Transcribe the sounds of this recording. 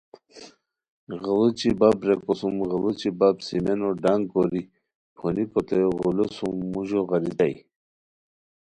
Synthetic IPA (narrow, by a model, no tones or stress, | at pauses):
ɣəlut͡ɕibabɾekɔsumɣəlut͡ɕibabsimenoɖaŋɡkoɾi | pʰonikot̪ejoɣulusumːuʒoɣaɾid̪aj